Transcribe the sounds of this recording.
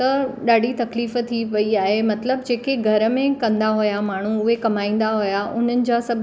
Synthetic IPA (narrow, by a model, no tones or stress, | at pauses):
t̪ɐɗaːɖʱit̪ɐkliːft̪ʰiʋɐiaːɦemɐt̪ləbd͡ʑeːkeɡʱɐɾəmẽkɐ̃nd̪aɦʊjamaːɳ̤uʊɦekɐmaːĩːn̆d̪aɦʊjaʔʊn̤ənɪ̆d͡ʑaːsɐbʱ